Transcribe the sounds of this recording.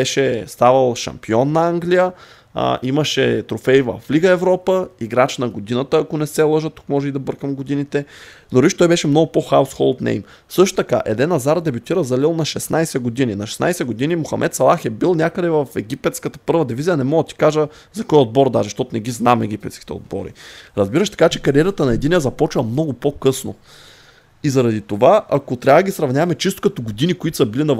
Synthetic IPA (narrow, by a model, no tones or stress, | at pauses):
ɛʃɛst̪avəlˠʃɐ̰mpiɔnːɐaŋɡlijə̰ | ʔiməʃɛt̪ɾofɛjvɐ̰fːliɡəɛvɾɔpəiɡɾat͡ʃnɐɡod̪inət̪əːkonɛsɛlˠɤʒət̪u̥k̚mɔʒɛid̪ɐbɤɾkəmɡod̪init̪ɛ | noɾiʃt̪ɔjbɛʃɛmnɔɡʊpoxaʊsxɔlˠt̪nḛjm | sɤʃt̪o̥t̪ɐka̰ʔɛ̰d̪ɛnːɐzaɾd̪ɛbut̪iɾəzɐlilˠnɐʃɛsnajsɛɡod̪ininɐʃɛ̥sna̰jsɛɡod̪inimoxɐ̰mʔɛ̰t̪sɐlˠaxɛbilˠnʲakəd̪ɛvɐfɛɡʲipɛt̪skət̪ə̥pɤɾvɐd̪ivizijɐnɛmɔɡ̪t̪i̥kaʒə | zɐkɔjod̪̚bɔɾd̪aʒɛʃt̪ɔt̪ʊnɛɡʲiznamɛɡ̟ʲipɛt̪sk̟i̥t̪ɛ̰o̰d̪̚bɔ̰ɾḭɾɐzbiɾəʃt̪ɐ̥kat͡ʃɛkɐɾiɛɾət̪ənɐɛd̪inʲijəzɐpɔt͡ʃvɐmnɔɡʊpokɤsno̰ | izɐɾɐd̪it̪ovaakot̪ɾʲavəd̪əɡʲisɾɐvnʲavɐmɛt͡ʃist̪ʊ̥kɐt̪oɡod̪inikʊit̪ʊ̥sɐbilinɐ